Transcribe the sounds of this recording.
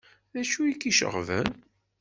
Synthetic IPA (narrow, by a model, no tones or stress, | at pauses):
ðæʃuikiʃə̰ʁvə̰n